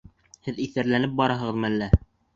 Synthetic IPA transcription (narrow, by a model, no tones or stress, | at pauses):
hɘðiθæɾlænɘp̚bɑɾɑɦɤ̆ʁɤ̆ðmɘælːæ